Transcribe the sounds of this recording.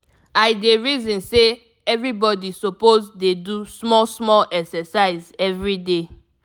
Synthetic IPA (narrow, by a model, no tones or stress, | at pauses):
aɪdeɹizɔ̃nse | ɛvɹibɔdisopozdedusmɔsmɔlʔɛksɛsaɪzɛvɹide